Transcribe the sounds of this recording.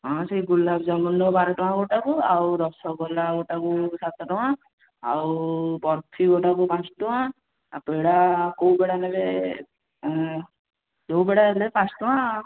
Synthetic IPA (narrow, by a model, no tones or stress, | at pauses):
ɦɔ̃seiɡulːabd͡ʒamund̪ɔbaɾɔʈɔwãɡoʈakuawɾɔsɔɡɔlaɡɔʈakusat̪ʈɔɦã | a̰wbɔɾt̪ʰiɡɔʈakupãt͡ʃʈuɦãː | peɽakowbeɽanebe | d͡ʒowbɛɽaelepãsʈɔã